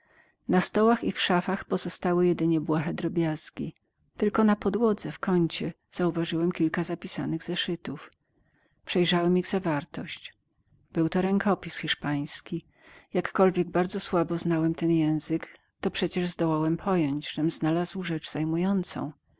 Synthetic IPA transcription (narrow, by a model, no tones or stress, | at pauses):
nast̪ɔwaxifʂafaxpɔzɔst̪awɘjɛd̪ɘɲɛbwaxɛd̪ɾɔbʲjazkʲi | t̪ɘlkɔnapɔd̪wɔd̪zɛfkɔɲt͡ɕɛ | z̥auvaʐɘwɛmkʲilkazapʲisa̰nɘɣzɛʂɘt̪uf | pʂɛjʐawɛmiɣzavaɾt̪ɔɕt͡ɕ | b̥ɘwt̪ɔɾɛŋkʰɔpʲisxʲiʂpaj̃skʲi | jakːɔlvʲjɛɡ̚baɾd̪zɔswabɔznawɛmt̪ɛnjɛ̃w̃zɘk | t̪ɔpʂɛt͡ɕɛʐzd̪ɔwawɛmpʰɔjɔɲd͡ʑʐ̥ɛmznalazwʐɛt͡ʂzajmujɔnt̪sɔ̰̃w̃